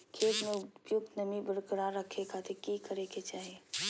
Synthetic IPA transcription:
kʰeːt̪mẽʊpjʊɡ̚t̪nəmibəɾkəɾaɾəkʰekat̪ʰekikəɾeket͡ʃaːɦie

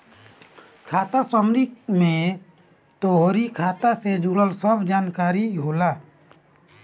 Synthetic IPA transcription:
kʰaːt̪asəmɾikmẽ | t̪oɦoɾikʰaːt̪ased͡ʒuɽəlsəbd͡ʒaːnkaːɾiɦoːlaː

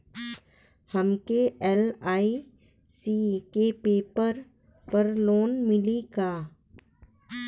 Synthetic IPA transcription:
həmkeɛlaːi | siːkepeːpəɾ | pəɾloːnmɪliɡaː

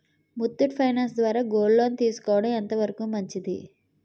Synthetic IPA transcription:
mut̪ːuʈpʰɐjnaːnsd̪ʋaːɾaːɡoːlloːnit̪iːsu̥kɔːʋɐɽɐmɛnt̪ɐʋɐɾɐkuːmɐɲt͡ʃid̪ḭ

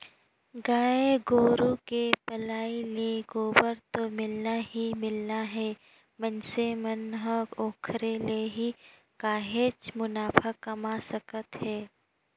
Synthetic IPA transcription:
ɡaːeɡoːɾokepɐlaːileɡoːbəɾt̪omɪlnaɦimɪlnaɦɛː | mənsemənɦəoːkʰɾeleɦi | kaːɦeːt͡ʃmʊnaːpʰakɐmasəkət̪hɛː

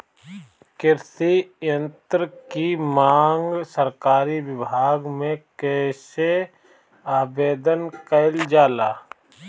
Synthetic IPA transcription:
kɪɾsijə̃nt̪ɾəkimaːŋɡsəɾkaːɾiwɪbʱaːɡmẽkɛːse | aːbeːd̪ənkəɪld͡ʒaːlaː

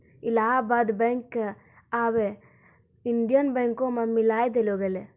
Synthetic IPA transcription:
ilaːbaːd̪beŋk | aːʋe | inɖijɐnbeŋkoːmɐmːilaːjd̪eloːɡɐle

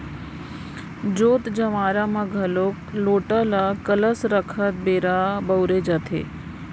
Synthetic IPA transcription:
d͡ʒoːt̪d͡ʒɐʋaːɾamaɡʱɐloːkloːʈalakələsɾəkʰət̪̚beːɾabəwɾed͡ʒat̪ʰḛː

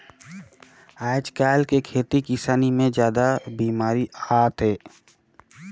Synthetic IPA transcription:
aːɪd͡ʒkaːlkekʰeːt̪ikɪsaːnimẽd͡ʒjaːd̪abiːmaːɾiaːt̪ɦɛː

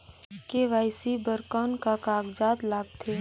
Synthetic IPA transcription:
keʋaːɪsibəɾkaːnkakaːɡd͡ʒaːt̪laːɡ̚t̪ʰeː

